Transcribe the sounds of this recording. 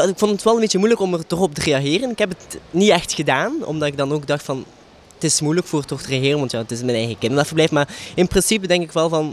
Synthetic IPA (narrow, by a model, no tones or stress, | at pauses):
ɪkfɔntətʋɛlˠənmbeːtt͡ʃəmujləkɔmərtɔxɔp̚təreːɑɣɪːrənɪkɦɛp̬ətniɛxtxədaːnɔ̰mdɑtɪɡ̚dɑnoːɡ̚dɑxtfɑn | ətɪsmujləkfʊːrtɔxtərexɪːrənʋɑntjaːətɪsmɛnɛjxəkɪndərʋɛtfərblɛjfəmaːrɪnprɪnsipədɛŋkɪkʋɛlˠvɑn